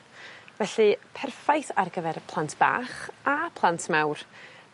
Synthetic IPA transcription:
vɛɬɨpʰɛrfajθarɡəvɛrpʰlˠantʰb̥a̰ːχapʰlˠantʰmawr

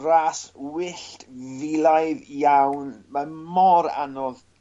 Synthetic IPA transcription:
ɾaːswɪɬtvilˠajðjawnmamɔɾa̰nɔð

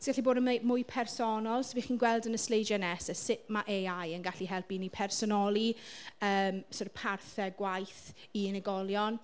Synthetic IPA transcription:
sɡaɬiboːdəmemʊjpʰɛrsɔnɔlˠsviːχiːnɡwɛlˠdənəslejd͡ʒɛnɛsəsɪp̚maʔejajənɡaɬiɦɛlˠpinipʰɛrsɔnɔlˠiəːmsoɾpʰarθɛɡwajθ | iɪnəɡɔlˠjɔn

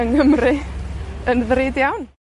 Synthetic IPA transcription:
əŋəmrɪ | ənðrɪːdjawn

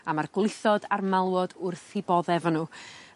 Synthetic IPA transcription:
amarɡ̥lˠɪθɔdarmalˠwɔdʊrθibɔðɛvənu

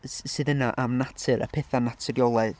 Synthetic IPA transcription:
sɨːðənaʔamnatʰɨɾə̰pʰɛθanatʰəɾjɔlˠað

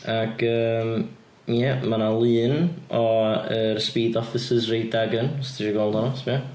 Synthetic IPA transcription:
aɡ̥əːm | jɛmanalˠɨːnɔərspiːdɔfɪsəzrejdaɡənstʰiiɡɔːlˠdɔnɔsbia

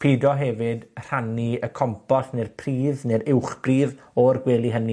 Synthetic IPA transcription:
pʰiːdɔɦɛvɪdr̥aniəkʰɔmpʰɔsnɪrpʰriːðnɪrɪwχb̥riːð | ɔrɡwɛːlˠiɦəni

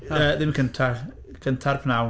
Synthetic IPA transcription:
əːðɪmikʰəntʰa | kʰəntʰarpʰnaw

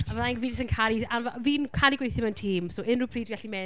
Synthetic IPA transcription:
avəðaŋviːdɪsənkʰaɾiavaviːnkʰaɾiɡwejθɪmaəntʰiːmsoʔɪnrʊpʰr̥iːdɡaɬimɛ

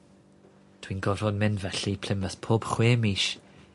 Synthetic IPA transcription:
d̥wiːnɡɔvɔnmɪnvɛɬipʰl̥ɪməspʰoːb̥χweːmiːʃ

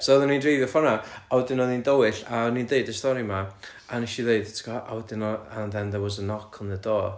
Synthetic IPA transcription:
sɔðanindrejðjɔfɔnaawɛdɪnɔðindowɪɬanindeɨdəstɔɾima | anɛʃiðeɨdtʰɡɔʔawɛdɪnɔanðɛnðɛwɔzənɔkʰɔnðədɔː

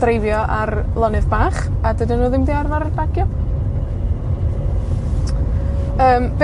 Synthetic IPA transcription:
d̥rejvjɔʔarlˠɔnɨðbaːχadədɪnuːðɪmdiarvaɾəbaɡjɔ | əːmb̥

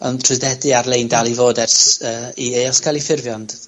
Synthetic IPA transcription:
ɔ̰ntʰʊðɛdɨarlˠejndalˠivoːdɛrsəːiejɔskʰalˠifɪrvjɔnd̥

